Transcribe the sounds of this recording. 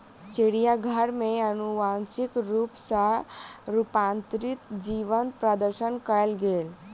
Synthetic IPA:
t͡ʃeɽijaɡʱəɾmẽənuʋãnsikɾuːpsaɾupãnt̪ɾit̪d͡ʒiʋənpɾad̪əɾʃənkəlɡeːl

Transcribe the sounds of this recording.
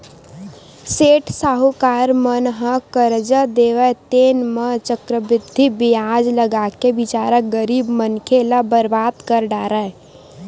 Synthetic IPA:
seʈʰsaɦukaɾmənɦə̃kəɾd͡ʒəd̪eʋət̪enmət͡ʃəkɾəbɾɪd̪ʱːibijad͡ʒləɡakebɪt͡ʃaɾək̚ɡəɾiːbmənkʰelabəɾbaːd̪kəɾɖaːɾə

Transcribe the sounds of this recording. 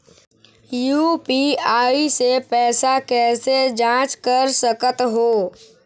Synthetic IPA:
jupiaːisepɛːsakɛːsed͡ʒãːt͡ʃkəɾsəkət̪ɦoː

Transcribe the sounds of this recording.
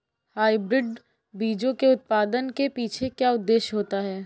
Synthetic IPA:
haːibɾɪɖ | biːd͡ʒõkeʊt̪̚paːd̪ənkepiːt͡ʃʰekjaːʊd̪ːeːʃɦoːt̪aɦɛː

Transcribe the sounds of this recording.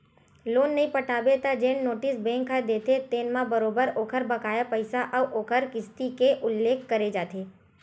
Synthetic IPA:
loːnːɐɦĩpɐʈʰaːbet̪ad͡ʒẽːnnoːʈɪsbẽːŋkʰːad̪eːt̪et̪eːnmãbɐɾoːbəɾoːkʰəɾbɐkaːjapəɪsaʔəʋʔoːkʰəɾkɪst̪ikeʔʊlːeːkʰkɐɾed͡ʒaːt̪eː

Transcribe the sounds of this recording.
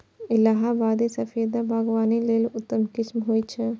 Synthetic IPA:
ɪlaːɦabaːd̪esɐfiːd̪abʱaːɡwaːnileːlʊt̪ːəmkɪsmɦoːit͡ʃʰɛ

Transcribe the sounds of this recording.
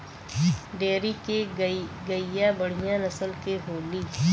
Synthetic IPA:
ɖeːɾikeɡəɪjabəɽ̤ijãnɐsəlkeɦoːliː

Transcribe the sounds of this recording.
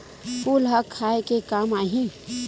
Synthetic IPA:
puːlɦɐkʰːaːekekaːmaːɦĩ

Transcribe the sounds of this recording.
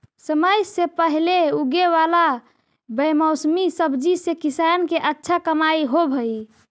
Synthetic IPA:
səməjsepəɦleuɡeʋala | bəjməʊsmisəbd͡ʒisekisankeʔətːʃʰakəmaiɦobʱəi

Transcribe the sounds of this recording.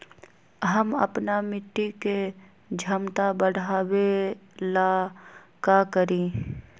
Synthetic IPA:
ɦəmə̰pnamɪʈːike | d͡ʒʱəmt̪abəɽ̤aːwela | kakəɾĩː

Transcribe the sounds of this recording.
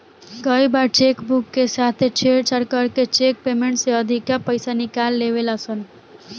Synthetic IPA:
kəibaɾt͡ʃeːkbukːesaːt̪ʰet͡ʃʰeːɽt͡ʃəɽkəɾket͡ʃeːk̚peːmẽɳʈseəd̪ʱikapəɪsanɪkaːlːeːʋelasən

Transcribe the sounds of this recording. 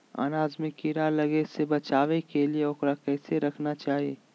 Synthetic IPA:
a̰ːnaːzmɪkːiɾalɐɡesebɐt͡ʃaːʋekelieʊkɾakɛːseɾɐkʰnat͡ʃaːɦieː

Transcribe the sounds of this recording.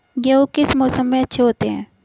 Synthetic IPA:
ɡeokɪsmɔːsəmːẽɐtːʃʰeɦoːt̪eɦɛ̰̃ː

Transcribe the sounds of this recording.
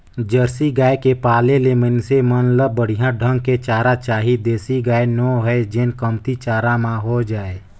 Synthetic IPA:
d͡ʒəɾsiɡaːekepaːlelemənsemənləːəɽ̤ijãɖʱə̃ŋɡ̚ket͡ʃaːɾat͡ʃaːɦid̪eːsiɡaːenɔːɦɛed͡ʒɪnkəmt̪it͡ʃaːɾãmãɦod͡ʒaːeː

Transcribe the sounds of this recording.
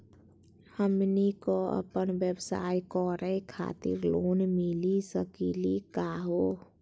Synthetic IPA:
həmnikoə̰pənʋjəbsa̰ːikɔɾʔəkʰa̰ːt̪ḭɾloːnmilisəkilikaɦo

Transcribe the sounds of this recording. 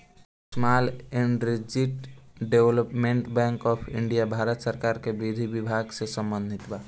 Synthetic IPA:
smaːlɛ̃ɳɖɾɪd͡ʒɪʈɖeʋləpmẽɳʈbɛ̃ːŋkɔːpʰɪ̃ɳɖijabʱaːɾət̪səɾkaːɾkebid̪ʱibɪbʱaːɡsesə̃mbə̃nd̪ʱɪt̪baː

